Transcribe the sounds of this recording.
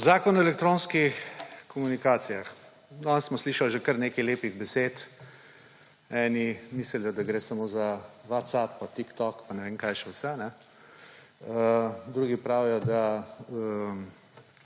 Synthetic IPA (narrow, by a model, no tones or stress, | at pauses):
zaːkɔnɔɛlɛk̚t̪ɾoːnskixxkɔmunikaːt̪sijax | ɔnsmɔsliːʃalʒekəɾneːkɐjleːpiɣbɛseːt̪ | ɛːnimisəljɔd̪aɡɾeːsamoːzaʋat̪sapːat̪ikt̪ɔkpanɛʋeːŋkajʃɛwsɛnɛ | əd̪ɾuɡipɾawɛjɔd̪aəm